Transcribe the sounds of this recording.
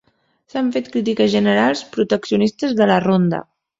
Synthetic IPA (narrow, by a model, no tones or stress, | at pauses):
saɱfet̪kɾit̪̬ikəzʒənəɾalˠspɾut̪əksiunist̪əzðələrond̪ə̰